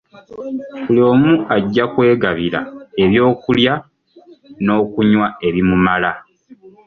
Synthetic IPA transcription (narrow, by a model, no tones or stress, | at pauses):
kulioːmuaɟːakwe̞ːɡaβiɾa̰e̞βjo̞ːkulja | no̞ːkuɲwae̞βimumala